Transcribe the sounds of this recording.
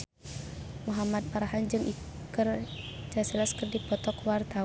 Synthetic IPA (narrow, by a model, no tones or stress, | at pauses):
muɦamat̪̚paɾaɦand͡ʒɨŋʔikɨrd͡ʒasilaskərdipɔt̪ɔkwart̪a